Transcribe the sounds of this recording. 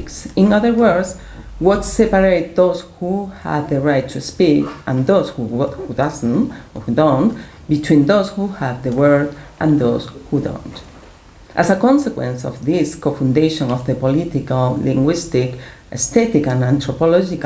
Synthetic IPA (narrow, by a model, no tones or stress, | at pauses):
ksĩnʌðə˞wɜ˞s | wɔtsɛpaɾejt̪̚ðoshuha̰vðəɹajtːʰuspikʔãnd̪oshuhudʌznhudõnt | bit̪wĩnd̪oshuhavðəwɜ˞dʔãnðoshudõ̰nt | ʔasakɔ̃nsekwḛ̃nsɔ̰fðiskofũnd̪eʃɔ̃nɔfðəpolit̪ikallĩŋɡwist̪ik | ʔest̪ɛt̪ikãnãnt̪ɾɔpɔlɔd͡ʒik